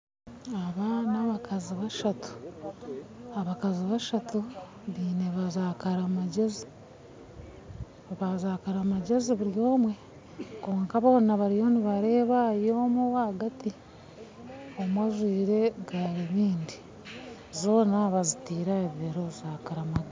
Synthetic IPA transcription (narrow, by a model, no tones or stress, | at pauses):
aβanaβakaziβaʃatu̥ | aβakaziβaʃatu | βiːne̞βazaːkaɾamaɟezi | βazaːkaɾamaɟeziβuɾjo̞ːmwe̞ | ko̞ːŋkaβaβonaβaɾijo̞niβaɾe̞ːβajoːmuwaaɡati | omwaʒwiːɾe̞ɡaɾiβiːndi | zo̞ːnaβazitiːɾaeβiβeɾozaːkaɾamaɡ